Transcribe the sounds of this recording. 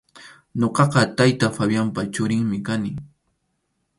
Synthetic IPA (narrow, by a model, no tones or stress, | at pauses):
ɲoqɑqɑt̪ajt̪afabjampat͡ʃʊɾɪŋmɪkanɪ